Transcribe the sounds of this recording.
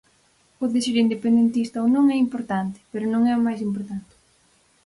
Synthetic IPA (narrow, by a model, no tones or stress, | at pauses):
oðesiɾind̪epend̪ent̪ist̪ɐonõŋɛimpoɾt̪ant̪ɪ̥peɾʊnõŋɛʊmajs̬impoɾt̪ant̪ɪ̥